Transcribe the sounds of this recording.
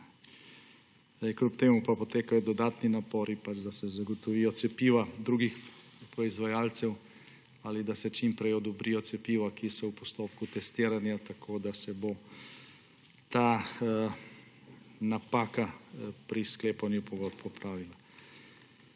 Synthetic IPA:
kɾupt̪eːmupapɔt̪eːkajɔd̪ɔd̪aːt̪ninapɔːɾipat͡ʃd̪asɛzaɡɔt̪ɔʋijɔt̪sɛpiːʋad̪ɾuːɡix | pɾɔizʋajaːlt̪sɛw | alid̪asɛt͡ʃimpɾɛjɔd̪ɔbɾijɔt̪sɛpiːʋakisɔwpɔst̪oːpkut̪ɛst̪iːɾanjat̪akʰoːd̪asɛbo | t̪aː | napaːkapɾiskleːpanjupɔɡɔt̪pɔpɾaːʋila

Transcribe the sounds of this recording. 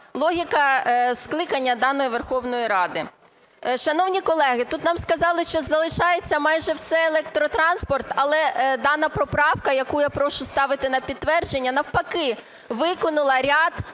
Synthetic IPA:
lˠɔɦʲikɐsklˠɪkɐnʲːɐd̪ɑnɔjiʋerxɔwnɔjiɾɑd̪ɪ | ʃɐnɔwnʲikɔlˠɛɦɪt̪ut̪nɑmskɐzɑlˠɪʃt͡ʃɔzɐlˠɪʃɑjet͡sʲːɐmɑjʒɛwsɛelˠɛk̚t̪ɾɔt̪ɾɑnspɔrt̪ɐlˠɛd̪ɑnɐpɾɔpɾɑwkɐjɐkujapɾɔʃʊst̪ɑʋɪt̪ɪnɐpʲid̪t̪ːʋɛrd͡ʒenʲːɐnɐwpɐkɪ | ʋɪkɔnʊlˠɐɾʲɑd̪

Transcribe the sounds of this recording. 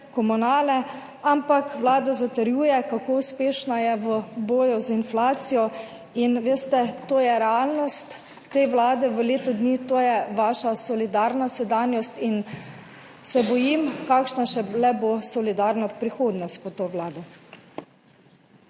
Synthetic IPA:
kɔmunaːlɛ | ampakʋlaːd̪azat̪əɾjuːjɛkakouspeːʃnajɛʋəboːjuzinflaːt̪sijɔ | inʋeːst̪ɛt̪oːjɛɾɛalnɔst̪ː | eːʋlaːd̪ɛʋəleːt̪ɔd̪niːt̪oːjɛʋaːʃasɔlid̪aːɾnasɛd̪aːnjɔst̪in | sɛbɔjimkakʃnaʃɛlɛbosɔlid̪aɾnapɾixoːd̪nɔst̪̚pɔt̪oʋlaːd̪ɛ

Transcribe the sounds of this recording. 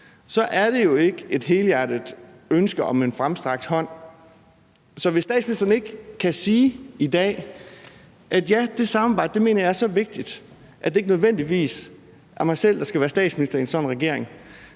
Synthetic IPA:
sɒ̽ʔæɐɾ̥e̝jo̝e̝ɡ̥əe̝d̥ɦeːlæd̥id̥ˠ | ønsɡ̥əɒ̽me̝nfʁamsd̥ʁɑ̈ɡ̥̚d̥hɒ̽n̰ | sɒ̽ʋe̝sːd̥ɛ̰ːd̥sminisd̥ɐn̩e̝ɡ̥kʰːæsiːid̥ɛ̰ː | ʔæd̥jæd̥e̝sɑ̈mɑ̈bɑ̈ɪ̰d̥d̥e̝me̝̰ːnɐjɑ̈æɐsɒ̽ʋe̝ɡ̥̚d̥id̥ | ʔæd̥e̝eɡ̥ənøð̞ˠʋen̰d̥iʋḭːs | ʔæɐmɑ̈ɪsel̰d̥ɑ̈sɡ̥æʋæːɐsd̥ɛ̰ːd̥sminisd̥ɐiensɒ̽nʁɛɡ̥e̝ɐ̰e̝ŋ

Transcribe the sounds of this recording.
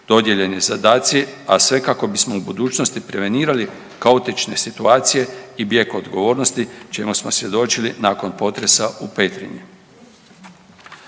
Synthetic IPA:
d̪̥o̞d̪je̞ʎe̞nizad̪aːt̪siasʋe̞kako̞bismo̞ubud̪uːt͡ʃnost̪ipɾe̞ʋe̞niːɾali | kaut̪it͡ʃne̞sit̪uaːt̪sije̞ibje̞kuod̪ɡo̞ʋo̞ːɾno̞st̪it͡ʃe̞musmo̞sʋje̞d̪o̞t͡ʃilinaːko̞npo̞t̪ɾe̞saupet̪ɾḭɲi

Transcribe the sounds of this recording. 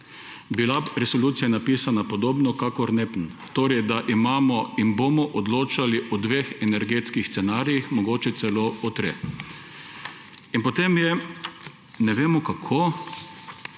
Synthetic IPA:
bilaɾɛsoluːt̪sijanapiːsanapɔd̪oːbnɔkakɔɾnepn | t̪oːɾɛjd̪aʔimaːmɔinbomɔʔɔd̪loːt͡ʃaliʔɔd̪ʋexɛnɛɾɡet̪skixst̪ɛnaːɾijixmɔɡoːt͡ʃɛt̪sɛloːɔt̪ɾe | inpot̪emjɛ | nɛʋeːmɔkakʰoː

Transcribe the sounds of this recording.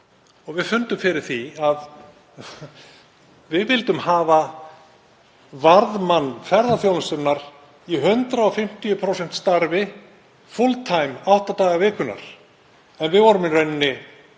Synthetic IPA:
ɔɣvɪðfʏnt̪ʏmfɪɾɪɾ̥θiað | vɪðvɪlt̪ʏmhaːva | vaɾðmanːfɛɾðaθjowlasʏmnaɾ̥ | iɦʏnt̪ɾaɔfɪm̥t̪ijʏpʰɾowsɛn̥t̪st̪aɾvɪ | fʊlt̪ʰajmawht̪at̪aːɣavɪːkʏna̰ɾ̥ | ɛnvɪðvɔːɾʏmɪrœɥnnɪ

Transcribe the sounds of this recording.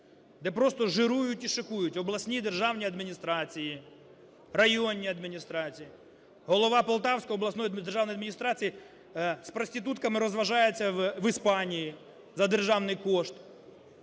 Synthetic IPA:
d̪ɛpɾɔst̪ɔʒɪɾujʊtʲiʃɔkujʊtʲɔblˠɐsʲnʲid̪erʒɑwnʲiɐd̪mʲinʲist̪ɾɑt͡sʲiji | rɐjonʲːiɐd̪mʲinʲist̪ɾɑt͡sʲiji | ɦɔlˠɔʋɑpɔlˠt̪ɑwsʲkɔjɔblˠɐsnɔjd̪erʒɑwnɔjɐd̪mʲinʲist̪ɾɑt͡sʲiji | spɾɔsʲt̪ɪt̪ut̪kɐmɪɾɔzʋɐʒɑjet͡sʲːɐʋɪspɑnʲiji | zɐd̪erʒɑwnɪjkɔʃt̪

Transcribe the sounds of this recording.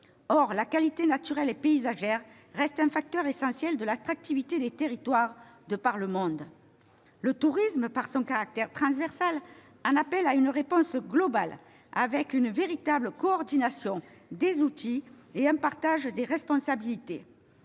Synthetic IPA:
ɔʁlakalit̪enat̪yʁɛlepeizaʒɛʁː | ɛst̪ɛ̃fak̚t̪œʁesɑ̃sjɛld̪əlat̪χak̚t̪ivit̪ed̪et̪eʁit̪waʁ | d̪əpaʁləmɔ̃d̪ | lət̪uʁisməpaʁsɔ̃kaʁak̚t̪ɛʁt̪χɑ̃svɛʁsal | ɑ̃napɛlaynəʁepɔ̃sɡlɔbal | a̰vɛkynveʁit̪abləkoɔʁd̪inasjɔ̃ | d̪ezut̪ʰieɛ̃paʁt̪aʒd̪eʁɛspɔ̃sabilit̪e

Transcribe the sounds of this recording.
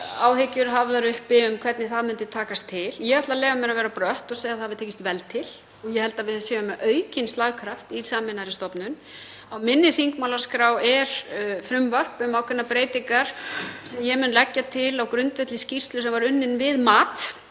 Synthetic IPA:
aːwɦecʏɾɦavðaɾʏhpɪʏmkʰv̥ɛɾt̪nɪθaðmʏnt̪ʏt̪ʰaːkast̪ʰːɪljɛat̪laleːvamɛɾavɛːɾapɾœht̪ɔsveːðaðhaðvɪðt̪ʰeːcɪst̪vɛlt̪ʰɪl | ɔɣjɛhɛl̪t̪avɪðsjɛːʏmʔœːɥcɪnst̪laɣkʰɾaft̪i̥saːmɪnaɾɪst̪ɔpnʏn | awmɪnːɪθiŋkmawlaɾ̥skɾaːwɛɾ̥fɾʏmvar̥pʏmawkʰvɛnːapɾeːjt̪iŋkaɾ̥sɛmjɛmʏnlɛcːat̪ʰɪlawkɾʏnt̪vɛt̪lɪscirst̪lʏsɛmvaɾʏnːɪnvɪðmaːt̪

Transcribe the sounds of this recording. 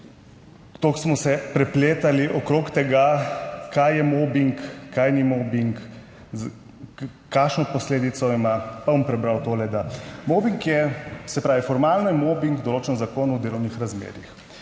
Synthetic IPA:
t̪oksmɔsɛpɾɛpleːt̪aliʔɔkɾokt̪ɛɡakajːɛmoːbiŋkːajnimobiŋk | kaːʃnɔpɔsleːd̪it̪sɔimapabɔmpɾɛbɾawt̪oːlɛd̪amobiŋkjɛsɛpɾaːʋifɔɾmaːlnɔjɛmoːbiŋɡd̪ɔloːt͡ʃɛnzakoːnwd̪eːlɔwnixɾazmḛːɾix

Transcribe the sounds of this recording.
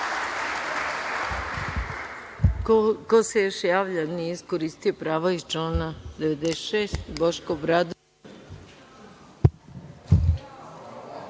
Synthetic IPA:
kosejoʃjaːʋʎaniiskoɾiːst̪ijopɾaːʋaizt͡ʃoːnad̪eʋed̪eʃeːst̪boʃkobɾad̪

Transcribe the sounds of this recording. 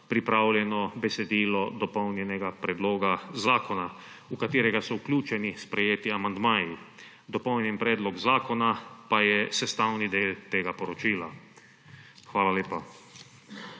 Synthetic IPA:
pɾipɾaːwljɛnɔbɛsɛd̪iːlɔd̪ɔpɔwnjɛnɛɡapɾɛd̪loːɡazaːkɔna | ukat̪iːɾɛɡasɔuklʲuːt͡ʃɛnispɾɛjeːt̪iamand̪maːji | d̪ɔpɔwnjɛnpɾɛːd̪lɔɡzaːkɔnapajɛsɛst̪aːwnid̪eːlt̪eːɡapɔɾɔt͡ʃiːla | xʋaːlaleːpa

